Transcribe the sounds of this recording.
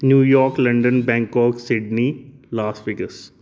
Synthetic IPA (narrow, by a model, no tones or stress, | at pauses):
njuːjɔːɾklɐ̃ɳɖə̃nbɛ̃ːŋkɔːksɪɖnilaːsʈʋɪɡəs